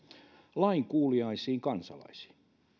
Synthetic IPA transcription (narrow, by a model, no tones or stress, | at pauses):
lɑiŋkuːliɑisiːŋkɑnsɑ̰lɑ̰isi̥ː